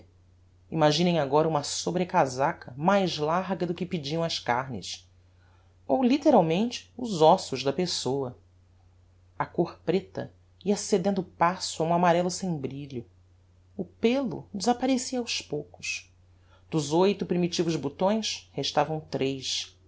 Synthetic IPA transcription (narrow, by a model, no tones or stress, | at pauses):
imaʒĩnẽj̃aɡɔɾɐũmɐsobɾekazakʰɐmajzlaɾɡɐd̪ʊkɪpid͡ʒiɐ̃w̃ɐskaɾnɪ̰s | owlit̪eɾawmẽnt͡ʃɪ̥ʊzɔsʊʒd̪ɐpesowɐ | ɐkoχpɾet̪ɐ̰ | iɐsed̪ẽnd̪ʊpasʊaũamaɾɛlʊsẽj̃bɾiʎʊ | ʊpelʊ̰d͡ʒɪzapaɾesiɐːwspowkʊ̥s | d̪̥ʊzojt̪ʊpɾimit͡ʃivʊzbut̪õj̃sheʃt̪avɐ̃w̃t̪ɾejʃ